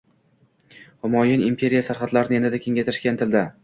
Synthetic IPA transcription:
hʊmɒjɪnimpʰe̞ɾijasaɾχat̪laɾɪnɪe̞nd̪ɪd̪akʲʰe̞ŋʲajt̪ɪɾɪʃkʲant̪ʰɪld̪ɪ

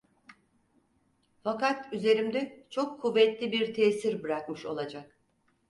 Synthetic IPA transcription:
fakat̪yze̞ɾimd̪ɛt͡ʃʰo̞kʰːuvːɛt̪lʲibiɾt̪ʰeːsiɾbɯɾakmɯʃo̞̰lˠad͡ʒak

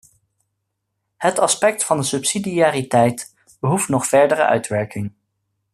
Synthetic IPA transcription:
hətɑspɛk̚tfɑndəsɵpsidiaːɾitɛjt | b̥əɦuftnɔχfɛɹdəɾə̰ʔœ̰ɥtʋɛɹkɪŋ

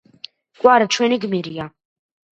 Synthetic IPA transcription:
kʷʼaɾat͡ʃʰeniɡmiɾja

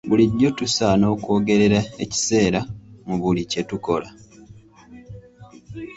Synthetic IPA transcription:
buliɟːo̞tusano̞ːkuo̞ːɡe̞ɾe̞ɾae̞ci̥se̞ːɾamuβulicetuko̞la

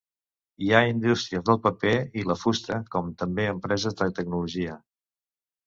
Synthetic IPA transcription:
iaind̪ust̪ɾiəzðəlˠpəpeiləfust̪ɾəkɔmt̪əmbeəmpɾɛzəzd̪ət̪əɡnuluʒiə

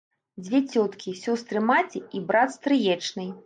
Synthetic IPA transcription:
d͡zʲvʲɛt͡sʲɔt̪kʲisʲɔst̪ɾɨmat͡sʲiibɾat̪st̪ɾɨjɛt͡ʂnɨj

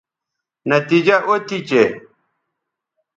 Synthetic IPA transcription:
nɐt̪id͡ʑɐʔot̪it͡ɕe

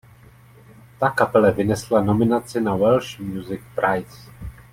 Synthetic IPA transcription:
t̪akapɛlɛvɪnɛslano̞mɪnat͡sɪnawɛlʃmjuzɪk̚pɾajs

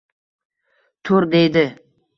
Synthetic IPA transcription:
t̪ʰʊɾd̪e̞jd̪ɪ

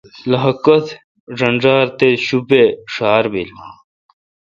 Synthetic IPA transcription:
lɐɦɐkɐt̪ | ʐɐnʐaːɾt̪eɕubeʂaːɾbil

